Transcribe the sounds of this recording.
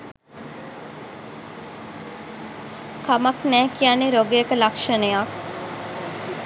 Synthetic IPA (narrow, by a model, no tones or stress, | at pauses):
kɐmɐknæːkijaneɾoɡejəkəlɐkʂənejak